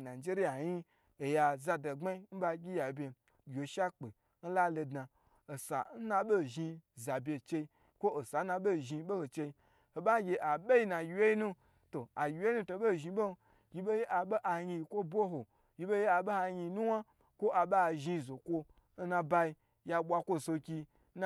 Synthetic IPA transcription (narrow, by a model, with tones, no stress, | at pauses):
na˨d͡ʒe˦ɾi˦ja˨ji˦ | e˨ja˧za˧da˨ŋ͡ma˦i˦n̩˦ba˧ɡʲi˦ja˨bʲe˧ | jʲo˨ʃa˦k͡pe˨ | n̩˦la˦lo˧dna˨ | o˨sa̰˨n̩˦na˧ɓo˦˨ʒi˧za˨bʲe˧˨t͡ʃe˧i˧ | kʷo˦o˨sa˨˦na˧ɓo˦˨ʒi˧ɓo˦ho˨t͡ʃe˧i˧ | ho˨ɓa˦ɡʲe˧ʔa˨be˦ji˧˦na˨jʲi˧je˦i˦nũ˦ | to˨a˨jʲi˨we˦nu˦to˧˨bo˦˨ʒi˧ɓo˦˧˦ | ɡʲi˨˦be˦je˦ʔa˨ɓo˦ʔa˨ɲi˧˨kʷo˦bʷo˦ɦo˨ | jʲi˦bo˦je˦a˨ɓo˦ha˧ɲi˧˦nu˦wa˦ | kʷo˦ʔa˨ɓa˦a˨ʒi˧˨zo˨kʷo˦ | n̩˦nã˧ba˧i˧ | ja˧ɓʷa˧kʷo˦˨so˧kʲi˧˦ | n˦